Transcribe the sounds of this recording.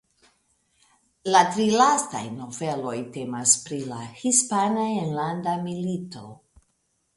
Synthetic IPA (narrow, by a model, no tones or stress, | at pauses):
latɾilasta̰jno̞ve̞lo̞jte̞maspɾila̰hispanaenlandamilito̞